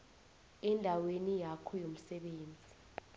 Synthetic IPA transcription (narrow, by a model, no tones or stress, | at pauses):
ɛndʱawenijakʰɔjom̩sɛɓeːnd͡zʱi